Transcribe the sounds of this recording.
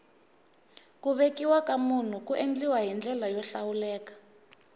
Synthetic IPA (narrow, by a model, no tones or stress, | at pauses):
kuβekiwakamun̤ukuʔend͡ɮiwaɦind͡ɮɛlajɔɬawulɛːkḁ